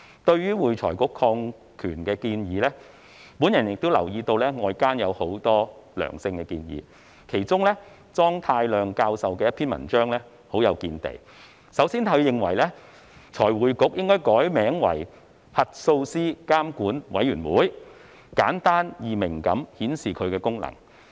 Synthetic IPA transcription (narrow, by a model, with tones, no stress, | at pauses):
t̪ɵ˧ɥɥyː˥wuː˨˩jt͡ʃʰɔː˨˩jkʊ˨˥kʰːɔː˧ŋ | kʰyː˨˩nkɛː˧kiː˧njiː˨˧lɛː˥ | pu˨˥njɐ˨˩njɪ˨k̚t̪o˥wlɐ̰˨˩wjiː˧t̪o˧wlɛː˥ŋɔː˨˧jkaː˥njɐ˨˧who˨˥wt̪ɔː˥lœ̰ː˨˩ŋsɪ˧ŋkɛ˧kḭː˧njḭː˨˧ | kʰe˨˩jt͡sʊ˥ŋlɛ˥ | t͡sɔː˥ŋt̪ʰaː˧jlœː˨˩ŋkaː˧wsɐ˨wkɛː˧jɐ˥t̚pʰiː˥nmɐ̰˨˩nt͡ʃœː˥ŋlɛ˥ | ho˨˥wjɐ˨˧wkiː˧nt̪ḛ˨j | sɐ˨˧˥wsiː˥nt̪ʰɐ˨˧ɥjɪ˨ŋwɐ̰˨˩jlɛː˥ | t͡sʰɔː˨˩jwuː˨˩jkʊ˨˥k̚jɪ˥ŋkɔː˥jkɔː˨˥jmɛː˨˥ŋwɐ̰˨˩j | hɐ˨t̚so˧wsiː˥kaː˥mkuː˨˥nwɐ˨˥jyː˨˩nwuː˨˥j | kaː˨˥nt̪aː˥njiː˨˩mɪ˨˩ŋkɐ˨˧˥mhiː˨˥nsiː˨˩kʰɵ˨˧ɥkɛː˧kʊ˥ŋlɐ̰˨˩ŋ